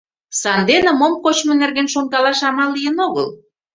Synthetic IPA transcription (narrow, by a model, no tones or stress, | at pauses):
sɑnd̪enə̆momkot͡ɕmŏnerɣenʃoŋkɑlɑʃɑmɑlːijənoɣə̰l